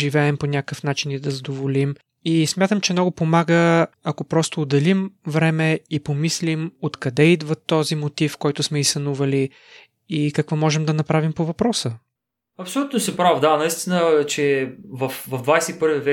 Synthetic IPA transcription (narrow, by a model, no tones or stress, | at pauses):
ʒivɛɛmponʲakəfnat͡ʃinid̪ɐzɐd̪ovolim | ismʲjat̪əmt͡ʃɛmnɔɡʊpomaɡəɐkopɾɔst̪oːd̪ɐlimvɾɛmɛipomislimot̪kɐd̪ɛid̪vɐt̪ːɔzimot̪ifkɔjt̪ʊsmɛisɐnuvɐli | ikɐkvɔmɔʒɛmd̪ɐnɐpɾavimpovɐpɾɔsə | ɐpsolʲut̪nosɛpɾavd̪anɐist̪inət͡ʃɛvɐfvɐvd̪vajsɛipɤɾvivɛ